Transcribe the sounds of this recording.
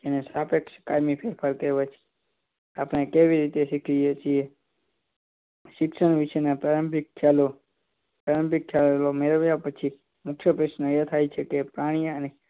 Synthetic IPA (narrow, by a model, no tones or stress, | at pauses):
d͡ʒenesapekskaɾmipʰepʰaɾkəɾʋet͡ʃʰ | apɽ̃ekeʋiɾit̪eʃɪkʰlijet͡ʃie | ʃɪksəɳʋiʃenapaɾəmpɪkʰːalo | paɾəmpɪkʰːallomeɾəʋjapət͡ʃʰi | mʊkʰjəpɾəʃnəet̪ʰajt͡ʃʰekepɾaɽ̃ijãəne